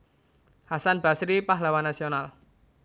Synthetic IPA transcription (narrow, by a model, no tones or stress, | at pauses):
hasanb̥asɾipaɦlawanasional